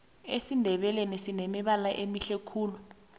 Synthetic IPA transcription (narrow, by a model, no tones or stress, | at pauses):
esindʱɛɓɛlenisinemiɓalaʔemiɬekʰuːlu